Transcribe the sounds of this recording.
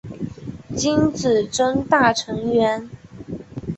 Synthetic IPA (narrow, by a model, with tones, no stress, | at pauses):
t͡ɕi˥nt͡sɹ̩˨˩ʈ͡ʂə˥ŋt̪a˥˩ʈ͡ʂʰɤ˧˥ŋɥɛ˧˥n